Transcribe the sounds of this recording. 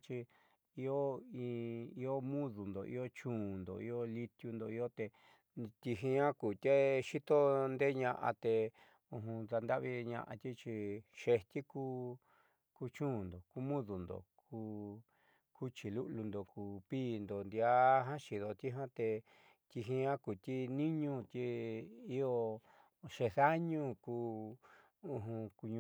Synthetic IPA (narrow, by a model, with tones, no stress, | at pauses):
t͡ʃi˧ | i˧o˦i˧i˧o˦mũ˦ðu˨nd̪o˨ʔḭ˦o˦t͡ʃũː˦˨nd̪o̰˨i˧o˦li˧t̪ju˧nd̪o˧i˧o˦t̪e˧ | t̪i˧ɦĩ˧ã˦kuː˨t̪ʲe˦ʃi˦t̪o˦nd̪e˦ɲã˧ʔa̰˧t̪e˧ | ũ˧ɦũ˧ða˧nd̪a˦ʔβi˧ɲã̰˧ʔa̰˧t̪ʲi˦t͡ʃi˧ʃe˧t̪ʲi˦kuː˧˦ | ku˧t͡ʃũː˦˨nd̪o˨ku˧˦mũ˦ðu˨nd̪o̰˨ku˧ | ku˦t͡ʃi˧lu˦ʔlu˧nd̪o˨kuː˨piː˦˨nd̪o˨nd̪i˧a˦ɦã˦ʃi˨ðo˧t̪i˦ɦã˦t̪e˧ | t̪ʲi˧ɦĩ˧ã˦ku˨t̪ʲi˦nĩ˦ɲũ˦t̪ʲi˧i˦o˧ | ʃe˧ða˦ɲũ˦kuː˧ | ũ˧ɦũ˧ku˧ɲũ˧